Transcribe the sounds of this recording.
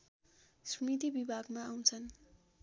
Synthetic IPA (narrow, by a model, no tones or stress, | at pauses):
smit̪ibibʱaɡmaːw̃t͡sʰʌn